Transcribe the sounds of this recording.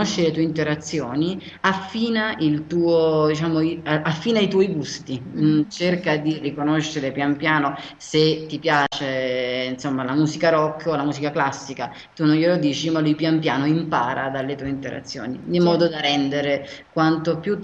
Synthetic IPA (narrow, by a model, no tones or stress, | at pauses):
oʃːelet̪uːeint̪eɾat̪sːjoːni | afːiːnaʔilt̪uːod̪it͡ʃaːmoiaafːiːnait̪ɔːiɡust̪it͡ʃerkad̪irikonoʃːeɾepjampjaːno | set̪ːipjaːt͡ʃeinsomːalamuːsikaɾɔkʰːolamuːsikaklasːika | t̪unːonjelod̪iːt͡ʃimalujpjampjaːnoimpaːɾad̪alːet̪uːeint̪eɾa̰t̪sːjo̰ːnid̪imːɔːd̪od̪arɛnd̪eɾekwant̪opju